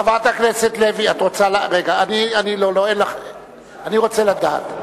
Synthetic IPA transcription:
avat̪aknesetleviat̪ʁo̞t͡salaʁeɡaːnianiloloenlaχ | aniʁo̞t͡selad̪a̰ːt

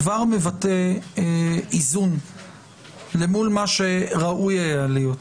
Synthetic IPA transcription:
vaʁme̞vate | izun | lemulmaʃe̞ʁaʔujaalijot

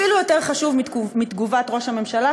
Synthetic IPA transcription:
ilujo̞teʁχaʃuvmimit̪ɡuvatʁo̞ʃhame̞mʃala

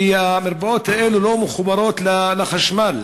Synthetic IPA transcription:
ɪjːamɪɾˤbaʕoːt̪ʔeːlʊlomʊxʊbɑɾˤɑːt̪lɪlɪxaʃmaːl

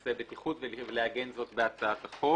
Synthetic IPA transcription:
sebet̪iχudveveleaɡe̞nzo̞t̪beat͡saataχo

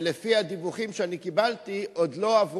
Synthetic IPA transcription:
lefiad̪ibuχimʃeanikibalt̪iʔod̪lo̞avʁ

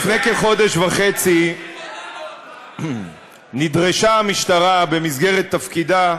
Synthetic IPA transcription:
ifnejkeχo̞deʃvaχe̞t͡si | nid̪ʁeʃaamiʃt̪aʁabe̞mizɡe̞ʁet̪ːafkida

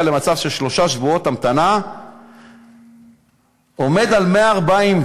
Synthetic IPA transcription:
lemat͡savʃelʃlo̞ʃaʃvuo̞tamt̪ana | o̞me̞d̪almeaːʁbaim

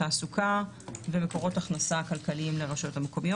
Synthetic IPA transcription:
aːsukʰa | vemeko̞ʁo̞taχnasaːkalkalimleʁaʃothameko̞mijo

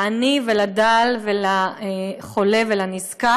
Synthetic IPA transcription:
aniveladalvela | χo̞le̞velaniska

